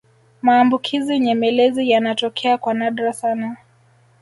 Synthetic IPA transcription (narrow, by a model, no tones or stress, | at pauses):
maːmbukʰiziɲɛmɛlɛzijanatɔkʰɛakwanaɗɾasana